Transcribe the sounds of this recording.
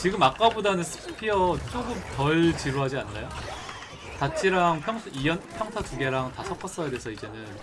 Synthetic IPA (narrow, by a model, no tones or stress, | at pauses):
t͡ɕiɡɯmːak͈abodanɯnsʰɯ̥pʰiʌt͡ɕ͈oɡɯmtʌɭt͡ɕiɾuɦad͡ʑianːajo | tat͡ɕʰiɾaŋpʰjʌŋʰijʌnpʰjʌŋtʰakuɡe̞ɾaŋtasʰʌk͈ʰʌs͈ʌedesʰʌid͡ʑe̞nɯn